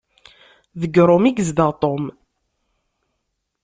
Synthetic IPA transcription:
ðəɡːɾˤomiɡəzd̪əʁt̪ˤom

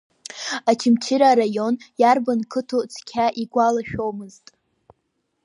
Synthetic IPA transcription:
at͡ʃʰɪmt͡ʃʰiɾaɾajo̞njarbankʰɨtʰut͡sʰkʲʰaʔiɡʷalaʃᶣo̞wmɨztʼ

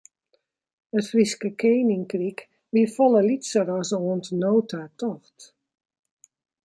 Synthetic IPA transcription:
ətfriskəkʰeːnɪŋkrik | ʋifɔlˠəlitsərɔsoəntnoːtʰatʰɔxt

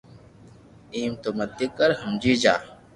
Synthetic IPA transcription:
iːmt̪oməd̪ikəɾɦɐmd͡ʒiːd͡ʒa̰ː

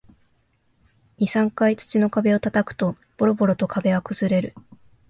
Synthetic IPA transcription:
ɲ̟isãŋkait͡sɨ̥t͡ɕino̞kabe̞o̞t̪at̪akɯ̟̥t̪o̞ | b̥o̞ɾo̞bo̞ɾo̞t̪o̞kʰabe̞ɡakɯ̟z̥ɨɾe̞ɾɯ̟

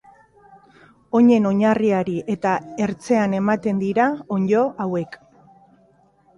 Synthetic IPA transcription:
o̞ɲe̞no̞ɲariaɾiʔe̞t̪ae̞ɾt͡se̞ane̞mat̪e̞nd̪iɾaoɲɟo̞ʔawe̞k

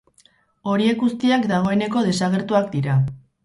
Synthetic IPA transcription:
o̞ɾie̞kɡust̪iakd̪aɣ̞o̞e̞ne̞ko̞ðe̞saɣ̞e̞ɾt̪uakd̪iɾa

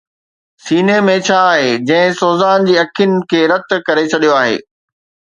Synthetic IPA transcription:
siːnemẽt͡ɕʰaːɦeːd͡ʑɐ̃ɦɪ̃soːzaːnd͡ʑiːɐkʰjɪnɪ̆kʰeːɾɐt̪̆kɐɾet͡ɕʰɐɗijoaːɦḛː

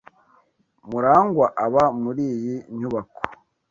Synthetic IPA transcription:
muɾaːŋɡwaʔaβamuɾiːjiɲuβako̥

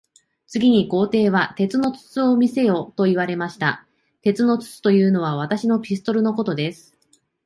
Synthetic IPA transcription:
t͡sɨɡʲiɲ̟iko̞ːt̪e̞ːβat̪e̞t͡sɨno̞t͡sɨ̥t͡sɨo̞mʲise̞jo̞ːt̪o̞iβ̞aɾe̞maɕi̥t̪a̰ | t̪e̞t͡sɨno̞t͡sɨ̥t͡sɨ̥t̪o̞jɯ̟ːno̞β̞aβ̞at̪aɕino̞pʲisɨ̥t̪o̞ɾɯ̟no̞ko̞t̪o̞d̪e̞sɨ̥

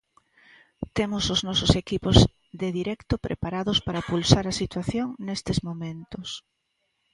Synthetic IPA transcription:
t̪emosoznɔsosekipoz | ðeðiɾɛkt̪opɾʔḛpaɾaðospaɾɐpulsaɾɐsit̪waθjoŋnest̪ezmomẽnt̪os

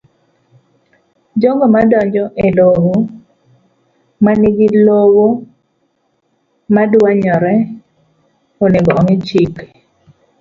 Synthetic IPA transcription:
d͡ʒoŋɡɔmadɔɲd͡ʒɔʔelowo | maniɡilowo | madwaɲɔɾɛ | oneɡɔɔŋɪt͡ʃik

